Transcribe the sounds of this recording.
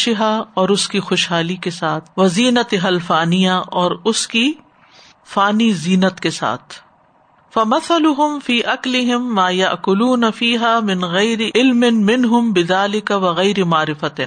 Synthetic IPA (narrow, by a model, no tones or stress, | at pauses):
ʃɪɦaɔːɾʊskixʊʃɦaːlikesaːt̪ʰʋɐziːnət̪ɦɐlfaːnijaʔɔːɾʊski | faːniziːnət̪kesa̰ːt̪ʰ | fɐmɐθɐlʊɦʊmfiːʔɐklɪɦɪmːaːjɐʔkʊluːnɐfiːɦaːmɪ̃nɣɐjɾiʔɪlmɪnmɪnɦʊmbɪðaːlɪkɐʋɐɣɐjːɾimaːɾɪfɐt̪